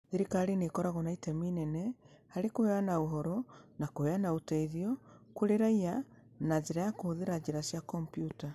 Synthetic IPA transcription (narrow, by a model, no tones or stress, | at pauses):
ðeɾikaɾinekɔɾaɣɔnaitɛminɛnɛ | haɾekoeanaoɦɔɾɔnakoeanaotɛiðjɔkoɾeɾaia | nad͡ʒeɾajakohoðeɾad͡ʒeɾaʃjakɔmpjuta